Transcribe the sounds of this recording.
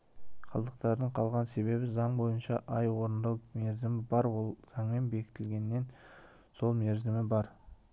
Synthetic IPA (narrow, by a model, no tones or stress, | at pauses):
qʰɑ̰lˠd̪əqt̪ɑɾd̪əɴqʰɑlˠʁɑnse̞βe̞bɪzɑɴbo̞jənʃɑʔɑjwo̞ɾənd̪ɑwme̞ɾzɪmɪbɑɾwo̞lˠzʰɑŋmembe̞kʲɪ̥t̪ɪlɡʲe̞nːe̞n | so̞lˠmeɾzɪmɪbɑɾ